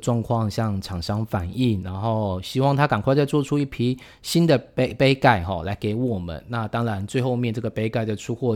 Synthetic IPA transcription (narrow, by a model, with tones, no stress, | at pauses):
ʈ͡ʂwɑ˥˧ŋkʰwɑ˥˧ŋɕjɑ˥˩ŋʈ͡ʂʰɑ˨˩ŋʂɑ˥ŋfa˨˩ni˥˩nna˧˥nxo˥˩ʊɕi˥wɑ˥˩ŋt̪ʰa˥ka˨˩nkwa˥˧t͡sa˥˧ɪt͡swɔ˥˩ʈ͡ʂʰu˥i˥˩pʰi˧˥ | ɕi˥nd̪ə˨pe˥pe˥ɪka˥˩ɪxɔ̰˨˩la˧˥ɪke˧˥ɪwɔ˨˩mə̰˦nna˥˩t̪ɑ˥ŋɻa˧˥nt͡swe˥˧ɪxo˥˧ʊmjɛ˥˧nʈ͡ʂɤ˥˩ɡə˩pe˥ɪka˥˩ɪd̪ə˨˩ʈ͡ʂʰu˥xwɔ˥˩